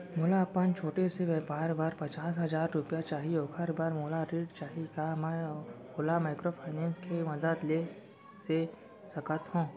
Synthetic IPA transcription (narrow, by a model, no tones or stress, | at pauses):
moːlapənt͡ʃʰoːʈeseʋɛbaːɾbaːɾpɐt͡ʃaːsɦɐzaːɾːʊpijat͡ʃaːɦioːkʰəɾbaːɾmoːlaɾeːʈt͡ʃaːɦikaːmɛ̃ | olamaːɪkɾopʰaːɪnɛ̃ːnskʰemɐd̪əd̪leː | se | sɐkət̪ɦõː